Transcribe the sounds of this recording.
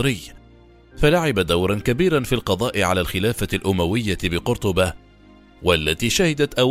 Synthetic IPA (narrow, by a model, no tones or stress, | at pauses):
ɾɪjː | falaʕɪbad̪awɾˤɑnkabiːɾanfilqɑd̪ˤɑːʔɪʕa̰laːlxɪlaːfalʔʊmawɪjːabɪqʊɾt̪ˤʊba | walːat̪iːʃahɪd̪at̪ʔaw